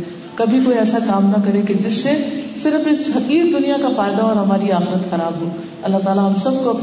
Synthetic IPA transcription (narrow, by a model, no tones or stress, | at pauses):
kɐbʱikoːiɛːsakaːmnɐkɐɾẽked͡ʒɪsːesɪɾffɐqiːɾd̪ʊnijakafaːɪd̪aɔːɾɦɐmaːɾiaːxɪɾət̪xɐɾaːbɦoː | ɐlːaɦt̪aːlaɦɐmsɐb̚koɐp